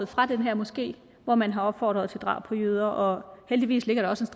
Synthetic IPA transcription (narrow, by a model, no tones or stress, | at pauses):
ð̩ˠfʁɑ̈d̥enɦæɐ̰mɒ̽sɡ̥e̝̰ː | ʋɒmænɦɑ̈ɒ̽b̥fɒ̰ːd̥ʁɐð̞ˠt͡sʰe̝ld̥ʁɑ̰̈ʊb̥pʰɒ̽jøð̞ˠɐʔɒ̽held̥iʋḭːsle̝ɡ̥ɐɾɑɒ̽se̝nsd̥